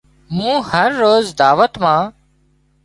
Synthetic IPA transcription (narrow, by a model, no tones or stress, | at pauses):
mũːhəɾːoːzd̪aːʋət̪mãː